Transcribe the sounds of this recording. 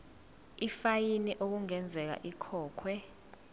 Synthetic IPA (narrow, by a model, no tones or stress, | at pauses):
ifajiniʔok̬uŋɛnd͡zʱɛk̬a̰ʔikʰɔːkʰwɛ